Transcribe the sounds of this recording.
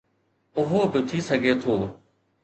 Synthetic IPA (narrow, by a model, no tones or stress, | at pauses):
ʊɦoːbɪt̪ʰiːsəɡʱeːt̪ʰoː